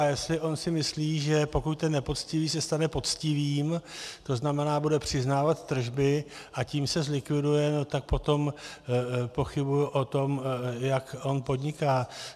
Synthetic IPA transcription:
jɛslɪʔo̞nsɪmɪsliːʒɛpo̞kuc̚t̪ɛnːɛpo̞t͡scɪviːsɛst̪anɛpo̞t͡scɪviːmt̪o̞znamɛnaːbudɛpr̥ɪznaːvat̪ːr̩ʒbɪʔaciːmsɛzlɪkvɪdujɛnot̪ak̚po̞t̪o̞m | po̞xɪbujuʔo̞t̪o̞mjako̞npo̞d̪ɲɪkaː

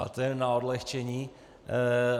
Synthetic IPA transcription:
a̰t̪ɛɛnaɔd̪lɛxt͡ʃɛɲiː

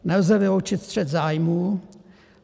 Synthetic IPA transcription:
nɛlzɛvɪlowt͡ʃɪt̪st̪r̥ɛt̪zaːjmuː

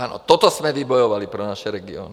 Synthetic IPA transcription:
aːnɔ̰t̪ɔt̪ɔsmɛʋibɔjɔʋalipɾɛnaʃɛɾɛɡiɔ̰ːni

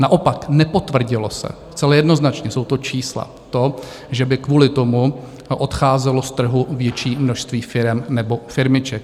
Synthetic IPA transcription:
naʔo̞paknɛpo̞t̪vr̩ɟɪlosɛ̰st͡sɛlɛjɛdnoznat͡ʃɲɛso̞wt̪ot͡ʃiːsla̰ | t̪o̞ | ʒɛbɪkvuːlɪt̪o̞mu | ʔo̞t̪xaːzɛlost̪r̩ɦuvjɛt͡ʃiːmno̞ʃst̪viːfɪɾɛmnɛbo̞fɪɾmɪt͡ʃɛk

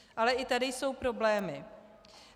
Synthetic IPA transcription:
ʔalɛʔɪt̪adɪjso̞wpɾo̞blɛːmɪ

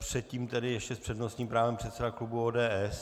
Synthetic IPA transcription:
pr̝̥ɛt̪̚cʲiːmt̪ɛdɪjɛʃcɛspr̝̥ɛdnost̪ɲiːmpɾaːvɛmpr̝̥ɛt̪sɛdaklubuoːdɛːʔɛs

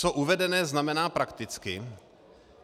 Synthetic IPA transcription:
t͡soʔuvɛdɛnɛːznamɛnaːpɾakt̪ɪt͡skɪ

